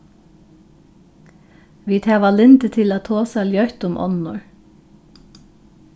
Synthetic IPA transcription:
ʋiːt̪ʰɛːʋalɪnt̪ət̪ʰɪlaːt̪ʰoːsaljœt̪ʊmʔɔ̰nnɔ̰ɹ

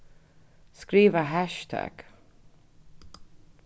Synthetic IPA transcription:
skɾiːvəɦæʃt̪ʰæ̰ɡ̥

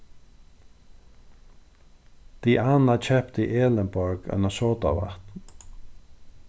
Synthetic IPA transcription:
d̪̥iːʔanat͡ʃʰɛpt̪iʔeːlənbɔɹɡa̰nasoːt̪a̰ʋa̰ht̪n

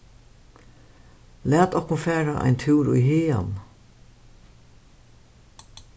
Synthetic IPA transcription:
læːt̪ɔhkʊnfæːɾaʔa̰jnt̪ʰʉːɾṵjheːa̰n

